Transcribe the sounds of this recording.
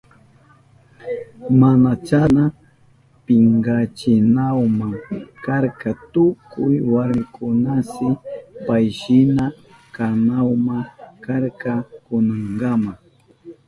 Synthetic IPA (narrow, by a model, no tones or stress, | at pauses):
manat͡ʃana | pɪŋɡat͡ʃɪnawmaŋkaɾkat̪ʊkʊjwaɾmɪkʰʊnasɪpajʃɪna | kanawmakaɾkakʊnaŋɡama